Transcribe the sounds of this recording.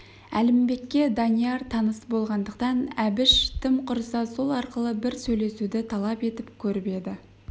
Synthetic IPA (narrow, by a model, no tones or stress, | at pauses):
æ̰lɪmbe̞kʲːe̞d̪ɑnijɑɾt̪ʰɑnəsəbolˠʁɑnd̪əqt̪ɑnæbɪʃt̪ʰɪmqʰʊɾsɑso̞lˠɑɾqəlˠəbɪɾsɵjle̞sud̪ɪt̪ʰɑlˠɑpe̞t̪ɪpkʲʰɵɾɪpe̞d̪ɪ